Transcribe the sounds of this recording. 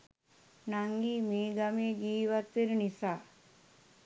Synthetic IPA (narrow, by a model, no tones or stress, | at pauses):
naŋɡiːmeːɡameːɡiːʋat̪ʋenənisaː